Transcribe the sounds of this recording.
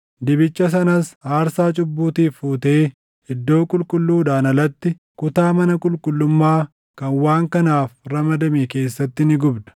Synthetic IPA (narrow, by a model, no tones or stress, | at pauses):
d̪ɪbɪt͡ʃːɐs̬ɐnɐsaːɾsaːt͡ʃʼʊbːuːt̪iːfːuːt̪e̞ː | ɪd̪ːo̞ːkʼʊlkʼʊlːuːd̪aːnɐlɐt̪ːɪ | kʊt̪aːmɐnɐkʼʊlkʼʊlːʊmːaː | kɐnwaːŋkɐnaːfɾɐmɐd̪ɐmeke̞ːsːɐt̪ːɪnɪɡʊbd̪ɐ̥